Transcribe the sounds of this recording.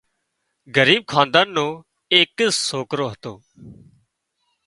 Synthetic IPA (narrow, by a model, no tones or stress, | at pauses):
ɡəɾiːb̚kʰãːnd̪aːnːõː | eːksoːkɾoːɦət̪oː